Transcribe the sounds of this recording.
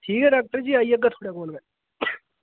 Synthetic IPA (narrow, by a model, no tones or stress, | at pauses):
ʈʰiːkɛɖaːk̚ʈəɾd͡ʒiːaiːəɡat̪ʰoːɽekoːnbɛ̃